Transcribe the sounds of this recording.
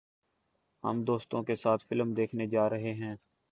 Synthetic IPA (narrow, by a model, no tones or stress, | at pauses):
ɦə̰md̪oːst̪õkesaːt̪ʰfɪlmd̪eːkʰned͡ʒaːɾɐɦeɦɛ̃ː